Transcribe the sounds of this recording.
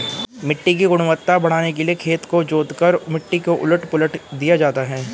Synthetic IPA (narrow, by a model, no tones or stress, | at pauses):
mɪʈːik̬iɡʊɽ̃ʋət̪ːabɐɽ̤aːnek̬eliekʰeːt̪kod͡ʒoːd̪kəɾmɪʈːikoʔʊ̰ləʈpʊləʈd̪ijad͡ʒaːt̪aɦɛː